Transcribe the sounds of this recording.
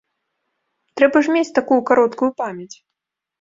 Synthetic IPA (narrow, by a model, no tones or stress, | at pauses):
t̪ɾɛbɐʐmʲet͡sʲt̪akujukaɾɔt̪kujupamʲjɐt͡sʲ